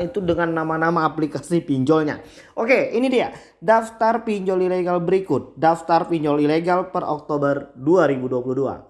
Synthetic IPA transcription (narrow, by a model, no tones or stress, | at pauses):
it̪udəŋanːamanamaːplikasipiɲd͡ʒɔlɲa̰ | ʔokeinidia | daft̪arpiɲd͡ʒɔlileɡalbəɾikʊt̪̚daft̪arpiɲd͡ʒɔlileɡalpərʔɔ̰k̚t̪obərduaɾibuduapuluhdua̰